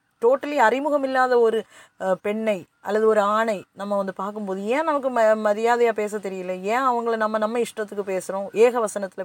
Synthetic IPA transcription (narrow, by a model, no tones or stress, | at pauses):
ʈoːʈːɐliɐrɪmʊɣɐmɪlːaːðɐɔɾɯ | pɛɳːɐɪʔɐlːɐðɯɔɾɯaːɳɐɪnɐmːɐʋɐnd̪ɯpaːɾkɯmpoːðɯẽːnɐmɐk̬ːɯmmɐðɪjaːðɐjaːpeːs̬ɐt̪ːɛɾɪjɪlːɐẽːɐʋɐŋɡɐɭnɐmːɐnɐmːɐɪʂʈɾɐt̪ːɯkːɯpeːsɯɾõʔeːɣɐʋɐsɐnɐt̪ːɪlɐ